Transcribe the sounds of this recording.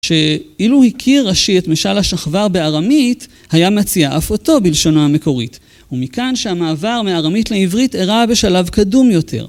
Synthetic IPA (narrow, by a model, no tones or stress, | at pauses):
ʃe̞iluhikʰiʁːaʃietmeʃalhaʃaχvaʁbe̞aʁamit | hajamat͡siaʔafo̞to̞bilʃo̞nohame̞ko̞ʁit | umikanʃeamaːvaʁmeaʁamitleivʁiteʁabe̞ʃalavkadumjo̞tʰe̞̰ʁ